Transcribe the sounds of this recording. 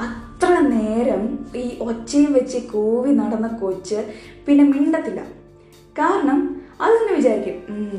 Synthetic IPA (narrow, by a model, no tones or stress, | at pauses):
ɐt̪rɐne̞ːɾɐmiːʔo̞t͡ɕːɐjumʋɐt͡ɕːɨkuːʋinɐɽɐnːɨkot͡ɕːɨpinːe̞miɳɖɐt̪ːilːɐ̰ | kaːɾɐɳɐmɐðinːɨʋit͡ɕaːɾikʲːum